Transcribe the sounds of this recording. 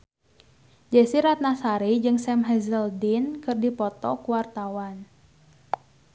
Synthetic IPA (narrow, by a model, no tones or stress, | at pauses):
d͡ʒɛsiɾat̪̚nasaɾid͡ʒɨŋsɛmɦɛzəldinkɨrdipɔt̪ɔkuwart̪awan